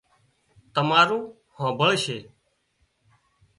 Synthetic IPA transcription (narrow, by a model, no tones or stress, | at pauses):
t̪əmaːɾũː | hãːbəɭʃeː